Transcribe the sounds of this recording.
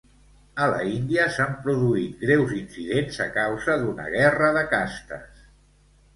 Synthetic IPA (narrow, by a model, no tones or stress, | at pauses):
ələ̰ind̪iəsampɾuðuit̪̚ɡɾɛwzinsiðenzə̰kawzəðunə̰ɣ̞ɛrəðəkast̪ə̰s